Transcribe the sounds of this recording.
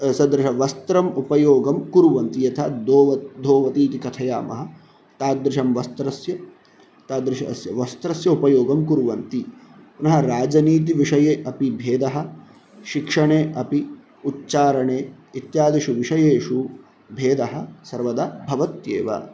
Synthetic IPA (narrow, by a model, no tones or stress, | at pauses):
sɐd̪ɾɐʃɐʋɐst̪ɾɐmupɐjoːɡɐmkuɾuʋɐnt̪ijɐt̪ʰɐd̪oːʋɐd̪ʱoːʋɐt̪iːt̪ikɐt̪ʰɐja̰ːmɐ̰ɦɐ̆ | t̪aːd̪ɾɪʃɐmʋɐst̪ɾɐsjɐ | t̪aːd̪ɾɪʃɐsjɐʋɐst̪ɾɐsjɐupɐjoːɡɐmkuɾuʋɐnt̪i | punɐɦɐɾaːd͡ʒɐniːt̪̬iʋiʂɐjeːʔɐpibʱeːd̪ɐɦɐ̆ | ʃikʂɐɳeːʔɐpi | utt͡ʃaːɾɐɳeː | it̪jaːd̪iʃuʋiʂɐjeːʂu | bʱeːd̪ɐɦɐ̆sɐɾʋɐd̪aːbʱɐʋɐt̪jḛːʋɐ̰